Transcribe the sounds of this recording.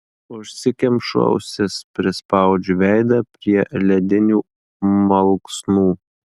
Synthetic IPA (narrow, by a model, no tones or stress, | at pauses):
ʊʃʲsʲɪkʲɛmʲpʃɐ̰ʊsʲɪspʲɾʲɪspɐˑʊd͡ʒʲʊʋʲɛˑɪd̪ɐpʲɾʲiɛlʲɛd̪ʲɪnʲuː | mɐlˠksnuː